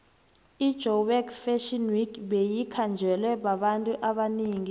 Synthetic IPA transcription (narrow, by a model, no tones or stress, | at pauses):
id̥ʒ̥ʱɔwɛkfɛʃɔnwikɓejikʰand͡ʒʱɛlwɛɓaɓantʼuʔaɓaniːŋi